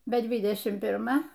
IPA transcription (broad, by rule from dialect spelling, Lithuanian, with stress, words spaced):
bʲɛ ˈdʲʋʲɪdʲɛʃʲɪm pʲɪrˈmɐ